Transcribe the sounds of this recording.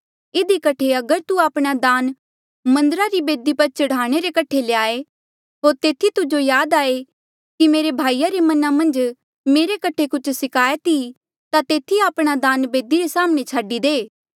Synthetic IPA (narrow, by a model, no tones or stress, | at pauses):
ɪd̪ikɐʈʰeɐɡəɾt̪uaːpɽ̃ad̪aːn | mɐ̃nd̪əɾaɾibeːd̪ipɐɾt͡ʃɐɽaːɽ̃eɾekɐʈʰeleaːe | ɦoːɾt̪eːt̪ʰit̪ʊd͡ʒojaːd̪aːe | kimeːɾebʱaːijaɾemɐnamɐ̃nd͡ʒ | meːɾekɐʈʰekʊt͡ʃʰsɪkʰaːjet̪i | t̪at̪eːt̪ʰiaːpɽ̃ad̪aːnbeːd̪iɾesaːmɽ̃et͡ʃʰaːɖid̪eː